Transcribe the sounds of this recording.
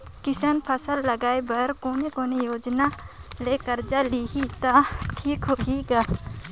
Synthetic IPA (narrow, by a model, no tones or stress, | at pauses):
kɪsənpʰəsəlːəɡaːebɐɾkoːnekoːnejoːd͡ʒna | leːkəɾd͡ʒaliɦit̪aʈʰiːkɦoɦiɡaː